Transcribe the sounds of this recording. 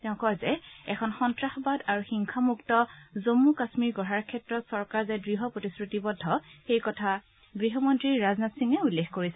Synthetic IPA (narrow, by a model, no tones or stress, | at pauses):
tɛʊ̃kɔzɛɛkʰɔnxɔntɹaxɔbadaɹuxiŋkʰamuktɔzomːukasmiɹɡɔɦaɹkʰɛtɹɔtsɔɹkaɹzɛdɹiɦɔpɹotisɹutibɔdʱːɔxejkɔtʰa | ɡɹiɦɔmɔntɹiɹːaznatsiŋɛulːexʰkoɹisɛ